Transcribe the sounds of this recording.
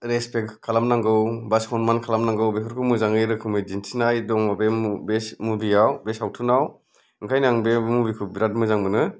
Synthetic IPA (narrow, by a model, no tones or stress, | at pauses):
ɾespekkʰːalamnaŋɡɯwbaskʰɔnmankʰalamnaŋɡɯwbekʰɔɾkʰɯmɯzaŋɯjɾɯkʰɯŋmɯd͡ʒintʰinajdɔŋmabembesmubijawbesawtʰɯnaw | ɯŋkʰajnaŋbemubikʰɯbiɾat̚mɯzaŋbɯnɯ